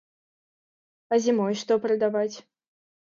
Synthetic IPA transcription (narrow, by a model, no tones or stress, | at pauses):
ɐzʲimɔjʂt̪ɔpɾɐd̪avat͡sʲ